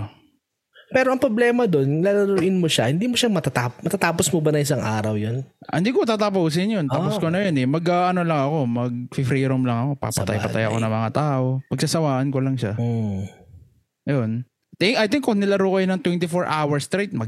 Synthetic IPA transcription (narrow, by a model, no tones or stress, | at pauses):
pɛːɾoɐŋpɾoblɛːmɐd̪o̞nlalɐɾoʔɪnmoʃahɪnd̪iːmoʃamɐt̪at̪aːmɐt̪at̪aːposmobɐnɐŋʔɪsaŋʔaːɾɐwjonɪnd̪iːkot̪aːt̪ɐpuːs̬ɪnjont̪ɐposkonɐjonɛmɐɡɐʔɐnolɐŋɐko̞mɐɡ̚fɪfɾiːɾomlɐŋɐko̞pa̰pɐ̰t̪a̰jpɐa̰jɐ̰konɐŋmɐŋat̪aːʔo̞pɐɡ̚sasɐwaːʔɐnkolɐŋʃa | jon | t̪ɛŋkɐjt̪ɪŋkːonɪlɐɾuːkɐjnɐŋt̪wɛnt̪ɪfoɹʔaːwɐɹst̪ɾajt̪̚mɐɡ